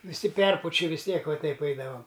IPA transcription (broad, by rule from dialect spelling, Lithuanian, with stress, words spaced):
ʋʲɪˈsʲɪ ˈpʲɛrpʊt͡ʃʲɪ ʋʲɪs ˈtʲiɛk ʋɐ ˈtʲɛɪp ˈɐɪdɐʋɐm